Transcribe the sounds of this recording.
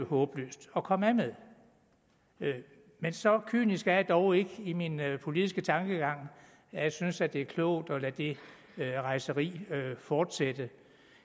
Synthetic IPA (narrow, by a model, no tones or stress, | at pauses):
hɔːb̥lø̰ːsd̥ɒ̽kʰɒ̽mæmeðˠ | mensɒ̽kʰy̰ːnisɡ̥æɐjɑd̥ɒʊe̝ɡ̥əiminpʰo̝lið̥ˠisɡ̥ət͡sʰɑ̈ŋɡ̥əɡ̥ɑ̈ŋ̰ | æjɑɪsynsæd̥e̝æɐkʰlɔ̰ʊ̰d̥ɒ̽læd̥e̝ | ʁɑ̈ɪsəʁḭːøfɒːd̥sed̥ə